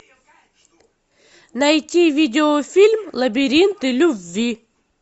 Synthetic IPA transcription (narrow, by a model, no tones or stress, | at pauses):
nɐjt̪ʲivʲid̪ʲɪofʲilʲmlˠɐbʲiɾʲint̪ɨlʲuvʲːi